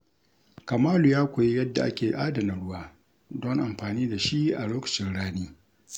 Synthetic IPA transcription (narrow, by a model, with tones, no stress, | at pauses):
ka˨maː˦lu˨jaː˦kʷa˨je˦jɐ˦dːa̰˨ʔa̰˦kʲeː˨ʔaː˦dɐ˨nɪ˨ɽʊ˦waː˦ | dɔ˦ŋʔa˨mɸaː˨niː˦da˨ʃi˦ʔʔa˨loː˦kɐ̥˨t͡ʃɪ˦nɽaː˦neː˦